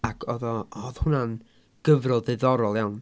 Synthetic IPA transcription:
akʰɔðɔɔðhʊnan | ɡ̥əvrɔlˠðɪðɔɾɔlˠjawn

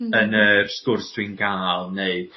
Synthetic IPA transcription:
ənərskʊrsd̥wiɨnɡaːlˠneɨd̥

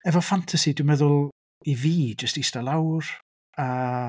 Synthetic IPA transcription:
ɛvɔfantʰasidwɪmɛðʊlˠ | iviːd͡ʒəstistalˠawr | a

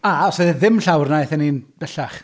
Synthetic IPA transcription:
aɔsɛðɪðɪmɬawrnajθɛninb̥ɛɬaχ

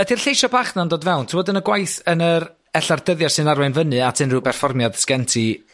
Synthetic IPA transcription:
ədirɬejʃɔbaχnandoːdvɛwˠntʰəwɔdənəɡwajθənəɾ | ɛɬardəðjarsɨnarwɛnvənɨatʰɨnrɨwpɛrfɔrmjad̥skɛntʰi

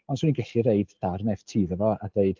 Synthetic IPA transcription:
ɔnsuːninɡɛɬiɾeɨdd̥arnɛv̥tʰiːðəvɔad̥eɨd̥

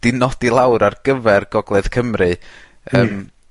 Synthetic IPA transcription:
d̥ɪnɔdilˠawɾarɡəvɛrɡɔɡlˠɛð̥kʰəmrɨ | əːm

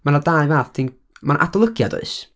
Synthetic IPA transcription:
manadaɨvaːθtʰin | manʔa̰dɔlˠəɡjadɔ̰ɨs

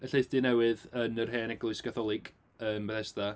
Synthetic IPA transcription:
əɬejsd̥inɛwɨðənərɦeːnɛɡlˠʊɨskʰaθɔlˠɪɡ | əːmbəθɛsda

